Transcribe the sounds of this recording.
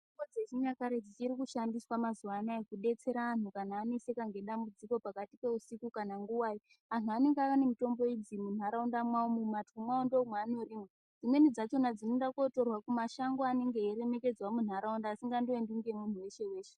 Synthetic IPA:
iɡod͡zeʒiɲakaɾed͡zit͡ʃiɾikuʃandiswamazuwanaekuɗe̞t͡se̞ɾaːn̤ukanaːne̞se̞kaŋɡe̞ɗambud͡ziko̞pakatipe̞usikukanaŋɡuwaːji | an̤uane̞ŋɡaʋanemito̞mbo̞id͡zimun̤aɾaundamwaomumatumwaondomweano̞ɾiːmwe | d͡zimwe̞nid͡zat͡ʃo̞nad͡zinonɗakoto̞rwakumaʃaŋɡoane̞ŋɡeeɾe̞me̞ke̞d͡zwamun̤aɾaundaːsiŋɡandoenduŋɡemun̤uweʃe̞we̞ːʃe

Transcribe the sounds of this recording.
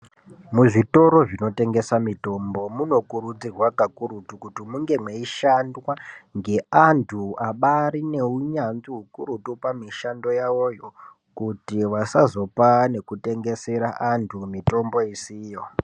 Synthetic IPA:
muʐito̞ɾo̞ʐino̞te̞ŋɡe̞samito̞mbo̞muno̞kurud͡zirwakakuɾutukutimuŋɡe̞mweiʃandwaŋɡe̞antʰuaɓaɾine̞uɲanziɦukuɾutupamiʃando̞jao̞jo̞ | kutiʋasazo̞pane̞kute̞ŋɡe̞se̞ɾaʔantʰumito̞mbo̞isiːjo̞

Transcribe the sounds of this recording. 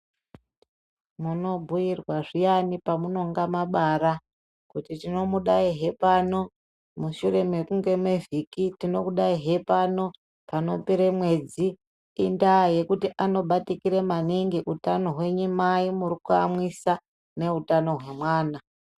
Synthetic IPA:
muno̞bʱujirwaʐijanipamuno̞ŋɡamaɓaɾa | kutitino̞muɗaiɦe̞pano̞ | muʃuɾe̞me̞kuŋɡe̞mwevikitino̞kuɗaiɦe̞pano̞ | pano̞peɾemwe̞d͡ziː | ndaje̞kutiʔano̞ɓatikiɾemaniŋɡiʔutano̞ɦwe̞ɲumaimuɾikua̰mwisa | ne̞utano̞ɦwe̞mwaːna

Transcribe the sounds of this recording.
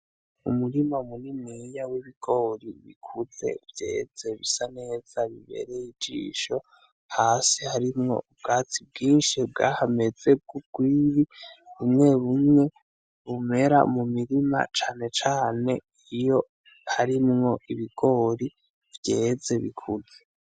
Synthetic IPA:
ṵmuɾimaumunimŋijawiβiɡ̥o̞ɾiβḭkʰuze̞̰vje̞̰ːz̥e̞βisane̞ːz̥aβiβe̞̰ɾe̞jid͡ʒḭːʃo̞ | haːsihaɾimŋo̞̰ubɡaːtib̚ɡiːnʃibɡaːhame̞d͡z̥eb̚ɡ̥ub̚ɡ̥wiːβiβumŋe̞βumŋe̞ | βume̞ɾa̰mumiɾima̰t͡ʃaːne̞t͡ʃaːne̞ | ijo̞ | haɾimŋo̞ʔiβiɡ̥o̞ɾi | vje̞ːze̞βḭkʰuze

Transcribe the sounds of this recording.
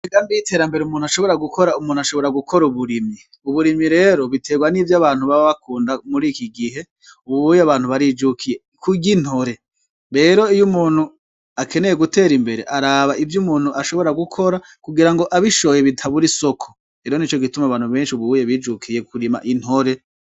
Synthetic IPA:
iɡaːmdijitʰe̞ːɾambe̞ɾeumuːn̥uaʃo̞βo̞ɾaɡukʰo̞ɾaumuːn̥uaʃo̞βo̞ɾaɡukʰo̞ɾuβuɾimi | uβuɾimiɾe̞ːɾo̞βitʰe̞ɡwanivjaβaːn̥huβaβaβakuːndamuɾiːkiɡiɦe̞ | uβuβujaβaːn̥huβaɾid͡ʒukʰije̞ | kuɡin̥ho̞ɾe̞ | ɾe̞ːɾo̞ijumuːn̥hu | akʰe̞ne̞jeɡute̞ːɾimbe̞ɾe̞̰ʔaɾaβaʔivjumuːn̥huʔaʃo̞βo̞ɾaɡukʰo̞ɾa | kuɡiɾaŋɡo̞ʔaβiʃo̞je̞βitʰaβuɾiso̞kʰo | ɾeːɾo̞nit͡ʃoɡitumaβaːn̥huβe̞ːnʃiuβuβujeβiːd͡ʒukʰije̞kuɾima̰ʔin̥ho̞ɾe̞

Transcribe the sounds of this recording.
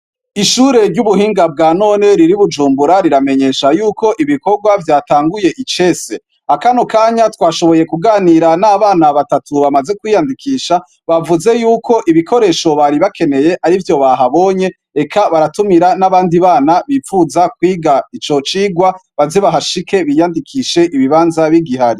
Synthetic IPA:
iʃuɾe̞ɾɟuβuhiːŋɡab̚ɡaːno̞ːne̞ɾiɾiβud͡ʒuːmbuɾaɾiɾame̞ɲe̞ːʃajuːko̞ʔiβiko̞ɾɡwavjaːtaːŋɡuje̞ʔit͡ʃe̞se̞ | akanokaːɲatwaːʃo̞βo̞je̞kuɡaːniɾanaːβaːnaβatatuβamaze̞kwiːjandikʰiːʃa | βavuze̞juːkʰo̞ʔiβikʰo̞ɾe̞ːʃo̞βaɾiβakʰe̞ne̞je̞ʔaɾivjo̞βaɦaβo̞ːɲe̞ | ekʰaβaɾatumiɾanaβaːndiβaːnaβifuzakwiːɡait͡ʃo̞t͡ʃiːɡwaβazeβaɦaʃike̞βijandikʰiʃe̞ʔiβiβaːnzaβiɡiɦaɾi

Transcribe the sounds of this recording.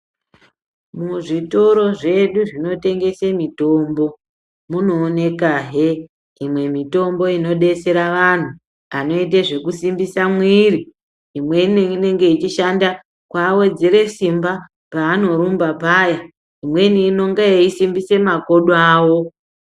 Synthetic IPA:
muʐito̞ɾo̞ʐe̞ɗuʐino̞te̞ŋɡe̞semitombo̞ | muno̞ːne̞kaɦe | imwe̞mito̞mbo̞ino̞ɗe̞se̞ɾaʋan̤u | ano̞it̬eʐe̞kusimbisamwiri | imwe̞iniine̞ŋɡe̞it͡ʃiʃanda | kwawe̞d͡ziɾe̞simba | paːno̞ɾumbapaja | imwe̞niːno̞ŋɡaeisimbise̞mako̞ɗaːwo̞

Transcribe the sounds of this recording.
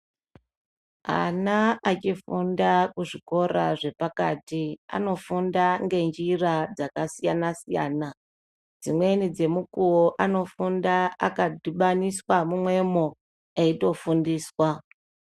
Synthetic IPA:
a̰naat͡ʃifundakuʐiko̞ɾa̰ʐe̞pakatia̰no̞fundaŋɡe̞nd͡ʒirad͡zakasijanasija̰ːna | d͡zimwe̞nid͡ze̞mukuwoʔano̞fundaakadiɓaniswamumwe̞mo | eito̞fundiːswa

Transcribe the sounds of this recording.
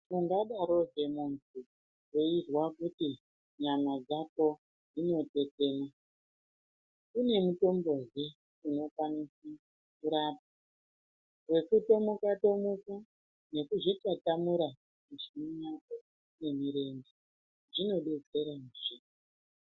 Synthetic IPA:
muŋɡaɗaɾo̞ʐe̞muntʰu | wo̞irwakuti | ɲamad͡zako̞ | d͡zino̞te̞t͡se̞ːna | kune̞muto̞mbozi | uno̞kwanisi | kuɾaːp̚a | we̞kuto̞mukato̞muka | ne̞kuʐit͡ʃatamuɾa | miʐimijako̞ | ne̞miɾe̞nde | ʐino̞ɗe̞t͡se̞ɾanʐiki

